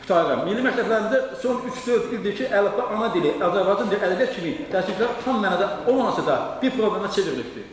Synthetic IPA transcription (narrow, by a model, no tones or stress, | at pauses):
pʰu̥t̪ʰɑɾɯɾɑmmilːimæcʰlæblæɾinzd̪æsonyt͡ʃʰd̪øɾzbild̪iɾt͡ʃʰiʔælˠɑd̪ɑʔɑnɑd̪iliʔɑzæɾbɑjd͡ʒɑniɾæd̪ævijæt̪t͡ʃʰimid̪̥æːʃilicʰʲlæɾt̪ʰɑmmæːnɑd̪æolˠmɑmɑsɯd̪ɑb̥iɾpʰɾoblemæt͡ʃʰeviɾilipd̪i